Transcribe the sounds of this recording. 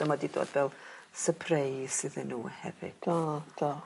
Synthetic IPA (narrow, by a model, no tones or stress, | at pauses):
əmadido̰ːd̥vɛlˠsəpʰrejsɨðənːuːhɛ̰vɪ̰d̥adɔ